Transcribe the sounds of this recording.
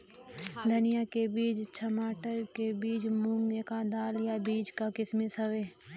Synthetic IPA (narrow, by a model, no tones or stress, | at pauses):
d̪ʱənijakebiːd͡ʒt͡ʃʰɐmaːʈəɾkebiːt͡ʃmũːŋɡnekad̪aːljabiːd͡ʒkakɪsmesɐʋeː